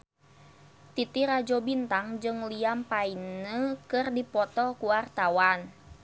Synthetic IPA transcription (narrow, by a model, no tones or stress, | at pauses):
t̪it̪iɾad͡ʒɔbint̪aŋd͡ʒɨŋliampainəkɨrdipɔt̪ɔkuwart̪awan